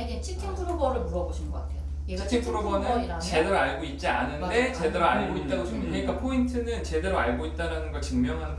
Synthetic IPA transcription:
iɡet͡ɕʰitʰiŋpuɾobʌɾɯɭmuɾʌboɕʰinɡʌk͈atʰejo | t͡ɕʰi̥tʰiŋuɾobʌnɯn | t͡ɕe̞deɾaɭɡoit̚t͡ɕ͈ianɯnde̞t͡ɕe̞deɾoaɭɡoit̚t͈aɡot͡ɕoeɲik͈apʰointʰɯnɯnt͡ɕe̞de̞ɾoaɭɡoit̚t͈aɾanɯnɡʌɭt͡ɕɯŋmjʌŋɦan

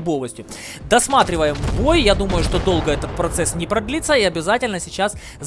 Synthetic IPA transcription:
bovəsʲtʲʊ | d̪ɐsmat̪ɾʲɪvəjɪmbo̞jjad̪uməjʊʂt̪o̞d̪o̞lˠɡəɛt̪ət̪̚pɾɐt̪sɛsnʲɪpɾɐd̪lʲit̪sːəiɐbʲɪzatʲɪlʲnəsʲɪt͡ɕas | z

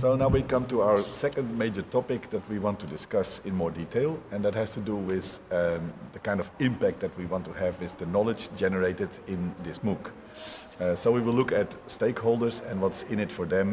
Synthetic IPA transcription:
soʊnaʊwikʌ̃mtuaʊə˞sɛkə̃nd̚meɪd͡ʒə˞tʰɔpɪk̚ðɨt̚wiwɑ̃ntudɪskʌsɪ̃nmɔɹditʰeɪlˠɛ̃nðət̚hæz̥tuduwɪð | ðəkãɪ̃ndɔvɪ̃mpæk̚t̚dðɨt̚wiwɑ̃ntuævɪzðɨnɑlˠɪd͡ʒd͡ʒɛnəɹeɪtɨdɪ̃nðɪsmuk | soʊwiwɪlˠʊkɨtsteɪkhoʊlˠdə˞zɛ̃nwʌtsɪ̃nɪtfɔ˞ðɛ̃m

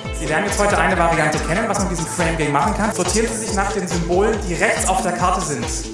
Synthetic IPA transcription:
z̥iːveːɐdn̩jɛt͡sthɔʏtəʔaɪnəvaʁiantəkʰɛnənvasmandiːzəm̩fʁ̥ɛɪmɡɪŋmaχn̩kʰanzoːtʰiːʁənziːzɪçnaːχd̥eːnzʏmboːləndiːʁɛçt͡saʊfd̥eːɐkʰaɐtəzɪnt

